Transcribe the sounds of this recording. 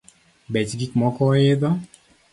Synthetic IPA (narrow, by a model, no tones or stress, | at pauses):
bɛt͡ʃɡikmɔkɔɪd̪ɔ